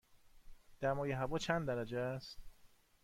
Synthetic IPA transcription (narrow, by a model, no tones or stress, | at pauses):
d̪̥æmɒːjeɦævɒːt͡ʃʰænd̪d̪æɾæd͡ʒeæst̪